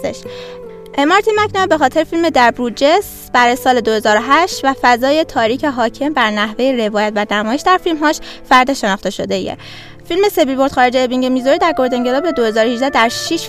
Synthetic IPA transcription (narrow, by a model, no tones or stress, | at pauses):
ḛʃ | ʔemɒɾt̪ʰinmæcʰnobe̞xɒːt̪ʰe̞ɾefilme̞d̪æɾbɾud͡ʒe̞s | b̥æɾɒːjesɒːle̞d̪ohe̞zɒːɾoɦæʃt̪væfæzɒːje̞t̪ʰɒːɾiːcʰeɦɒːcʰe̞mbæɾnæɦve̞jeɾe̞vɒːjæt̪vænæmɒːjeʃd̪æɾfilmɦɒːʃfæɾd̪e̞ʃe̞nɒχt̪e̞ʃo̞d̪e̞jḛ | filme̞se̞vilbo̞ɾd̪xɒːɾed͡ʒeːbiŋɟemizoɾid̪æɾɡo̞ɾd̪e̞ŋɡe̞lɒbe̞d̪o̞he̞zɒːɾohiʒd̪æd̪æɾʃiʃ